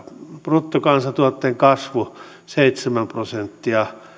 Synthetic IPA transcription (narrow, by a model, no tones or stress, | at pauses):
prut̪ːokɑnsɑt̪uot̪ːeːŋkɑsʋu | seit̪semæmprosent̪ːiɑ